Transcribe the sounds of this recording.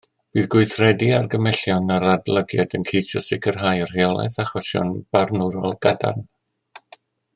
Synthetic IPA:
b̥iːðɡʊɨθrɛdiarɡəmɛɬjɔnaɾadlˠəɡjadənkʰejsjɔsɪɡərɦajɔr̥heɔlˠɛ̰θaχɔsjɔ̰nb̥arnuɾɔlˠɡada̰n

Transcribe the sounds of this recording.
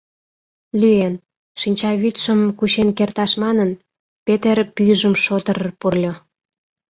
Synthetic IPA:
lʲyen | ʃinʲt͡ɕɑβyt̪ʃəmkuɕenkert̪ɑʃmɑnən | pet̪erpyjʒəmʃot̪əɾərpurlʲo

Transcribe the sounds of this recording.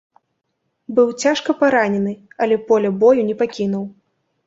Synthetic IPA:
bɨwt͡sʲaʂkɐpaɾanʲɛnɨɐlʲɛpɔlʲɐbɔjunʲɛpakʲinuw

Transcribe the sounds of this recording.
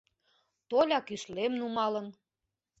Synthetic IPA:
t̪olʲɑkyʃlemnumɑlə̆n

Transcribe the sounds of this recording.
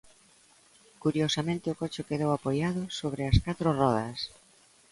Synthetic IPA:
kuɾjosamẽnt̪ɪʊkot͡ʃʊkeðowapojaðʊsoβ̞ɾɪɐskat̪ɾʊrɔðɐs

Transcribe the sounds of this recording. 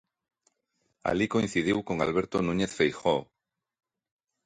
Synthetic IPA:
a̰likoĩn̟θið̞iwkoŋa̰lβe̞ɾt̪onũɲeθfejxo

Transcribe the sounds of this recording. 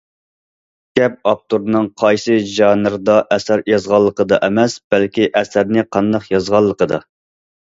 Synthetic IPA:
ɡʲɛp̚ɑp̚t̪uɾnɨŋqʰɑjsɨʒɑnɨɾɨd̪ɑʔɛsæɾjɑzʁɑlˠːəqəd̪ɑʔɛmɛsb̥ɛælkʲiʔɛsæɾnɪqʰɑnd̪ɑqjɑzʁɑlˠːəqəd̪ɑ

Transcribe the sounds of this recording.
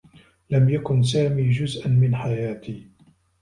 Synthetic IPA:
lamjakʊns̬aːmiːd͡ʒʊzʔanmɪnħajaːt̪ʰiː

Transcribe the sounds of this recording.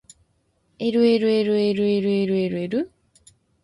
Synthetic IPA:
eɾweːɾweːɾweɾweɾweɾweːɾweɾu

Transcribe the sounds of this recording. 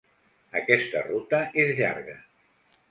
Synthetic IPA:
əkɛst̪ə̰rut̪əezʎa̰ɾɣə

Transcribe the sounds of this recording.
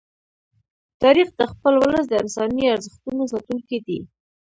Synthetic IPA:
t̪ɑɾixd̪əxpəlwləs̬d̪əɪnsɑniaɾzəxt̪unosɑt̪uŋkid̪i

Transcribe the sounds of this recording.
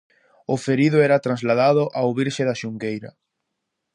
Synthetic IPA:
ʊfeɾiðʊɛɾɐt̪ɾanzlaðaðʊʔawβiɾʃeðaʃuŋɡejɾɐ̰

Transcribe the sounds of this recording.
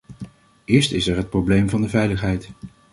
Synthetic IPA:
ʔɪːɹstɪsɛɹɦət̚prowblejmvɑndəvɛjləχɦɛjt

